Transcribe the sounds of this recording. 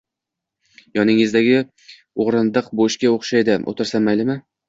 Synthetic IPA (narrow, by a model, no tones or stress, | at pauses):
jɒnɪŋɪzd̪aɡʲɪ | oʁɾɨnd̪ɨqboʃkʲaoχʃajd̪ɪʔo̰t̪ʰɪɾsanmajlɪmɪ